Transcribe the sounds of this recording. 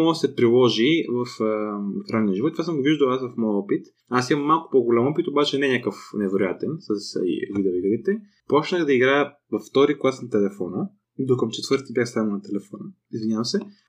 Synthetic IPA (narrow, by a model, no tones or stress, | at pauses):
mɔsɛpɾilˠɔʒivɐffɾanːiəʒivɔt̪t̪vasəmɡoviʒd̪əwasvɐfmɔjɔpit̪ | asimɐmːalˠkʊ̥poɡolʲamɔpit̪obat͡ʃɛnɛɲʲakəfnɛvɛɾojat̪ɛnsɐsvid̪ɛoiɡəɾit̪ɛ | pɔt͡ʃnəxd̪ɐiɡɾaə | vɐfːt̪ɔɾiklˠasnɐt̪ɛlɛfɔnə | id̪okəmt͡ʃɛt̪vəɾt̪ibʲjaxst̪anənɐt̪ɛlɛfɔnə | izvinʲavəmsɛ